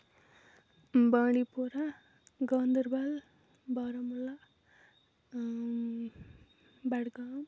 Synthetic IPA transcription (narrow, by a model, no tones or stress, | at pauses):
baːɽipoɾa | ɡʌnd̪ʌɾbal | bʌɾamula | baɽɡam